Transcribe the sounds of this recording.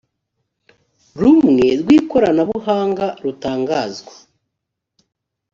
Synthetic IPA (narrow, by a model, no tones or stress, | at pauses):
ɾumŋe̞ɾɡwiːko̞ɾanaβuɦaːŋɡaɾutaːŋɡaːzɡwḁ